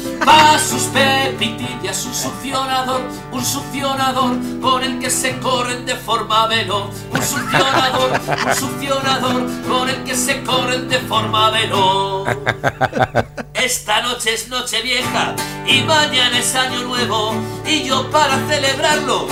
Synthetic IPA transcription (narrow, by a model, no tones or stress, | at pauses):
basuspepit̪iθjasusuθjo̞naðo̞ɾ | unsuθjo̞naðo̞ɾko̞ne̞lke̞se̞ko̞ɾe̞nd̪e̞fo̞ɾmaβe̞lo | unsuθjo̞naðo̞ɾunsuθjo̞naðo̞ɾko̞ne̞lke̞se̞ko̞ɾe̞nd̪e̞fo̞ɾmaβelo | e̞st̪ano̞t͡ʃeezno̞t͡ʃe̞βje̞xa̰imãɲãnaesaɲonwe̞βo̞iʝo̞paɾaθe̞le̞βɾaɾlo̞